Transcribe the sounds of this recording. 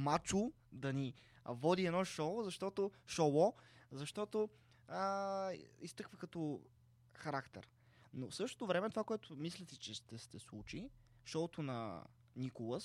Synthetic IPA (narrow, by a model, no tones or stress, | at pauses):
mat͡ʃu | d̪ɐni | vɔd̪iɛnɔʃɔzɐʃt̪ɔt̪oʃowɔzɐʃt̪ɔt̪o | ə | ist̪ɤkvəkɐt̪o | xɐɾakt̪ɛ̰ɾ | nofsɤʃt̪o̥t̪ovɾɛmɛt̪ovakoɛt̪ʊmislʲɛsit͡ʃɛʃt̪ɛst̪ɛslˠut͡ʃi | ʃɔt̪onɐ̰ | nikolˠəs